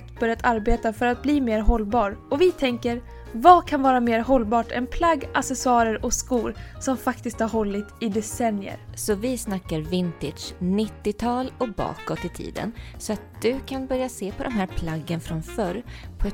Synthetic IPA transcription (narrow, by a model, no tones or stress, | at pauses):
t̪b̥œɾjat̪ʰaɾbeːt̪afœɾat̪̚bliːmeːɾɦɔlːbɑːɾɔvɪt̪ʰɛŋkəɾ | vakʰanvɑːɾameːɾɦɔlːbɑːʈɛ̰npʰlaɡːasɛsɑːɾəɾɔskuːɾsɔmfakt̪ɪsk̚t̪haɾɦɔlːɪt̪ɪd̪ɛsɛnjə̰ɾsɔvɪsnakːaɾvɪnt̪ɪd̪̥ʂnɪt̪ːɪt̪ʰɑːlɔbɑ̰ːkɔt̪ːɪt̪ʰḭːd̪ə̰nsɔat̪̚d̪̥ɵkʰanbœɾjaseːpʰɔd̪ɛmɦæːɾpʰlaɡːənfɾɔnfœɾpʰɔɛ